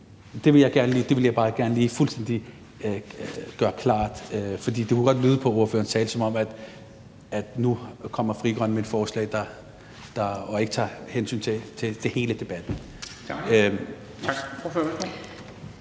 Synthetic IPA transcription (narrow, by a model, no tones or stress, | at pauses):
d̥e̝ʋe̝ljɑ̈ɪɡ̥æɐnəliːd̥e̝ʋe̝ljɑɪb̥ɑ̈ːɡ̥æɐnəliːfulsd̥en̰d̥i | ɡ̥ɶːɐkʰlɑ̰̈ːd̥fɒ̽d̥ḭːd̥ekʰuɡ̥ɒ̽d̥lyːð̞ˠpʰɒ̽o̝ɐfø̰ɐn̩t͡sʰɛːləsɒ̽mɒ̽mæd̥ | æd̥nukʰɒ̽m̰ɐfʁiɡ̥ʁɶnmeed̥fɒːslɛ̰ɪd̥ɑ̈ | d̥ɑ̈ɒe̝ɡ̥ət͡sʰɑ̰̈ːhensy̰ːnt͡sʰe̝t͡sʰe̝t͡sʰe̝he̝ːləd̥e̝b̥æd̥n̩ | ofø